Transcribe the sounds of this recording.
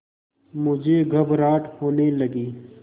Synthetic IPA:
mʊd͡ʒʱeɡʱɐbɾaːʈhoːnelɐɡiː

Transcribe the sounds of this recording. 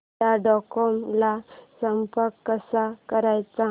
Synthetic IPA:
aɖɔkɔmlasəmpəɾkːəsakəɾajt͡sa

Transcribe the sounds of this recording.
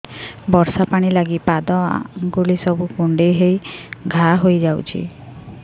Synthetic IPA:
bɔɾsapaɽ̃ilaɡipad̪ɔa̰ŋɡulisɔbukuɳɖeɦejɡʱaɦojd͡ʒawt͡ʃʰḭ

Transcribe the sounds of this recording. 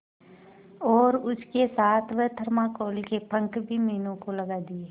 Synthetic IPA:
ɔːɾʊskesaːt̪ʰʋet̪ʰəɾmakoːlkepɐ̃ŋkbʱimiːnõkolɐɡaːd̪ieː

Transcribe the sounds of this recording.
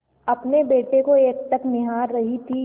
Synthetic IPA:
ɐpnebeːʈekoeːk̚t̪ɐkmɪɦaːɾːɐɦit̪ʰi

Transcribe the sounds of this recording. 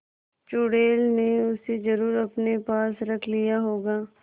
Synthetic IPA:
t͡ʃoːɽeːlneʊsezɐɾuːɾɐpnepaːsɾɐkʰlijaɦoːɡaː

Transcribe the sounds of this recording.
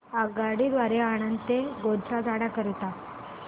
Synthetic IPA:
əɡaɽid̪ʋaɾeaɽ̃ənt̪eɡod͡z̪ʱɾad͡zaɽakəɾit̪a

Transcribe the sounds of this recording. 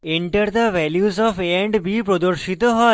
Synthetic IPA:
eɳʈəɾd̪əʋɛljuzɔfeẽɳɖbipɾɔd̪əɾʃit̪ɦɔ

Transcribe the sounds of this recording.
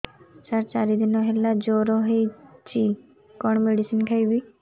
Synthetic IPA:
t͡ʃaɾt͡ʃaɾid̪inɔɦelad͡ʒɔɾɔɦejt͡ʃʰi | kɔɳmeɖisinkʰajbi

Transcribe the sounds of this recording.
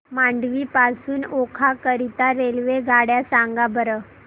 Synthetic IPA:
maɳɖʋiːpasuːnokʰakəɾit̪aɾelʋeɡʱaɽjasãŋɡabəɾə

